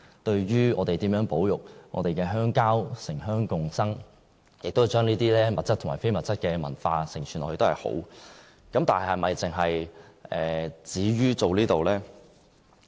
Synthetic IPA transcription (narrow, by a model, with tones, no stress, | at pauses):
t̪ɵ˧ɥɥyː˥ŋɔː˨˧t̪e˨jt̪iː˨˥mjœː˨˥ŋpo˨˥wjʊ˨k̚ŋʔɔ̰˨˧t̪e˨jkɛː˧ɦœː˥ŋkaː˥wsɪ˨˩ŋɦœː˥ŋkʊ˨ŋsɐ˥ŋ | jɪ˨k̚t̪o˥ht͡ʃœː˥ŋniː˥t̪iː˥lɛː˥mɐ˨t̚t͡sɐ˥t̪ʰʊ˨˩maː˨˩fe˥jmɐ˨t̚t͡sɐ˥t̚kɛː˧mɐ̰˨˩nfaː˧sɪ˨˩ŋt͡ʃʰy˨˩nʔɔː˨˧he˨˧t̪o˥hɐ̰˨˩ho̰˨˥w | kɐ˨˧mt̪aː˨nhɐ˨jhɐ˨˩mɐ˨jt͡sɪ˨ŋɦɐ˨jʔɛː˨t͡siː˨˥ɥyː˥t͡so˨wliː˥t̪o˨wlɛː˥